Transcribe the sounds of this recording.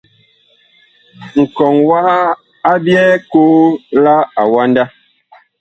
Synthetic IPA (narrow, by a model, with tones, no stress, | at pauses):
ŋ̩˨kɔ˨ŋwa˦a˦ | a˦bjɛ˦koː˦la˦a˨wa˦nda˦